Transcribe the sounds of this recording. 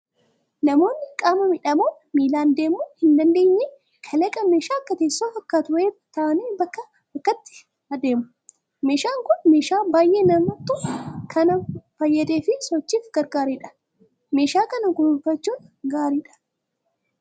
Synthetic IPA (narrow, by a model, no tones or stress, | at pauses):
nɐmo̞ːnːɪkʼaːmɐmɪᶑɐmoː | miːlaːnd̪e̞ːmʊnhɪnd̪ɐnd̪e̞ːɲːe | kʰɐlɐkʼɐme̞ːʃaːkːɐt̪eːsːoːfɐkːaːt̪ʊweːt̪ɐʔɐneːbɐkːɐ | bɐkːɐt̪ːɪ̥ | hɐd̪e̞ːmʊ | me̞ːʃaːŋkʊnme̞ːʃaːbaːjʔenɐmɐt̪ʼːʊkʰɐnɐfɐjːɐd̪eːfɪsɔt͡ʃːiːfɡ̥ɐɾɡaːɾiːᶑɐ̥ | me̞ːʃaːkɐnɐkʊnʊfɐt͡ʃːuːnɡaːɾiːᶑɐ̥